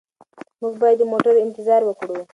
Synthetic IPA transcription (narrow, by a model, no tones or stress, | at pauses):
muɡbɑjad̪ːəmoʈaɾɪnt̪ɪzɑɾwəkɽu